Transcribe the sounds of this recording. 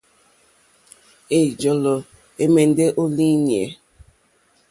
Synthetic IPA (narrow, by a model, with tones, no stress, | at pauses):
e˨d͡ʒɔ˨lɔ˨ | e˦me˨n˦de˦ʔo˦li˦ni˨ḛ˨